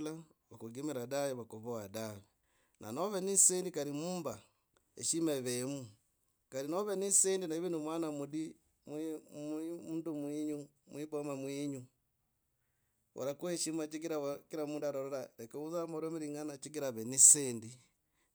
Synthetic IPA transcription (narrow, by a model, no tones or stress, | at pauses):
laβakuɡimiɾadajiβakoβoadaβi | nʔa̰noβenisendikaɾimuːmba | ḛʃimeβemu | kaɾinoβenisendinaiβinumwaːnamudi | mmmundumwiːɲu | mwibomamwiːɲu | o̰ɾakuheʃimat͡ʃiɡiɾaakiɾamuːndaɾoɾoɾalekeuzamoɾomiɾiŋɡanat͡ʃiɡiɾaβeniseːndi